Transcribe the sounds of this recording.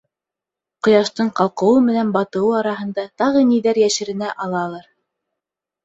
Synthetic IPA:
qŏjɑʃt̪ɤɴqɑlˠqɤ̆wɤmɘ̆nænbɑt̪ɤ̆wɤɑɾɑɦɤ̆nd̪ɑt̪ɑʁɤniðæɾjæʃɘ̆ɾɘ̆næʔɑlˠɑlˠɑɾ

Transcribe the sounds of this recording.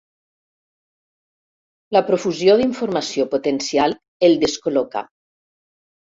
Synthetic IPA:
lapɾofuzjoðiɱfoɾmasjopot̪ensial | eld̪eskoloka̰

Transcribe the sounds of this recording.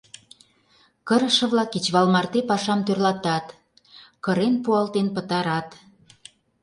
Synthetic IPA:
kəɾə̆ʃə̆βlɑkːit͡ɕβɑlmɑrt̪epɑʃɑmt̪ørlɑt̪ɑt̪ | kəɾenpuɑlt̪enpə̆t̪ɑɾɑt̪

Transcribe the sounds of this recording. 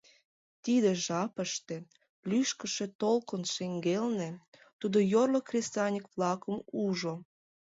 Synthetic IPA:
t̪id̪eʒɑpəʃt̪ĕ | lyʃkəʃe̽t̪olkənʃeŋɡelnĕt̪ud̪ojorlokrʲest̪ɑnʲəkβlɑkəmuʒo

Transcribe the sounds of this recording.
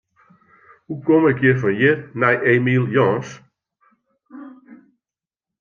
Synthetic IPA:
hukomɪkjɪfɔnjɪnɛjʔeːmiːlˠjɔːns

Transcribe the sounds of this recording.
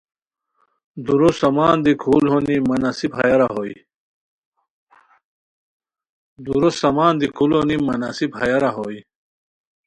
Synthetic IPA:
d̪uɾusɐmaːnd̪ikʰulɦonimɐnasibɦɐjɐɾaɦoi | d̪uɾosɐmaːnd̪ikʰulonimɐnasibɦɐjɐɾaɦoi

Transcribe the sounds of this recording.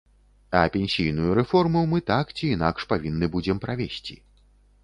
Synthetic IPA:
ɐ̰pʲenʲsʲijnujuɾɛfɔrmumɨt̪akt͡sʲiːna̰kʂpavʲinːɨbud͡zʲɛmpɾavʲesʲt͡sʲḭ

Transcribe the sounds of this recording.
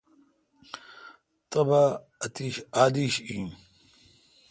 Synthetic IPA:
t̪ɐba | ɐt̪iːɕaːd̪iːɕĩːn

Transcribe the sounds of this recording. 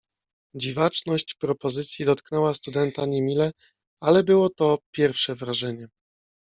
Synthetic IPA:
d͡ʑivat͡ʂnɔɕt͡ɕpɾɔpɔzɘt̪sʲjid̪ɔt̪knɛwast̪ud̪ɛnt̪aɲemʲilɛ | alɛbɘwɔt̪ɔpʲjɛɾfʂɛvɾaʐɛɲɛ

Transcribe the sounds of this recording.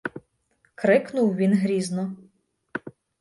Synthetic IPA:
kɾɪknʊwʋʲinɦɾʲiznɔ

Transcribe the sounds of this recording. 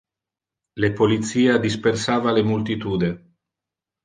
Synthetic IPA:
lepolit̪siːad̪ispersaːvalemult̪it̪uːd̪e

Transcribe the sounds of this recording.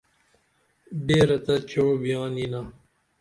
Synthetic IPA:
beːɾɐt̪ɐt͡ɕɐɽobijãːnina

